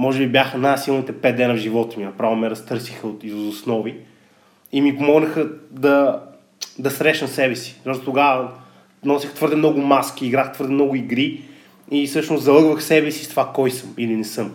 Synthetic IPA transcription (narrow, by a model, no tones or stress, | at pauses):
mɔʒɛbibjaxənajsilˠnit̪ɛpɛt̪̚d̪ɛnəvʒivɔt̪minɐpɾavomɛɾɐst̪ɤɾsixəot̪izosnɔvi | imipomɔɡnəxəd̪ɐ | d̪ɐsɾɛʃnəmsɛbɛsi̥ɔʃt̪ot̪oɡavə | nɔsixt̪vɤɾd̪ɛmnɔɡʊmaskiːɡɾaxt̪vɤɾd̪ɛmnɔɡʊiɡɾi | isɤʃnʊszɐlˠɤɡvəxsɛbɛsi̥st̪vakɔjsɤmilinɛsɤm